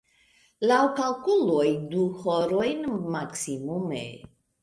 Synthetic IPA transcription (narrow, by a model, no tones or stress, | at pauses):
lawkalkulojduhoɾojnmaksimumḛ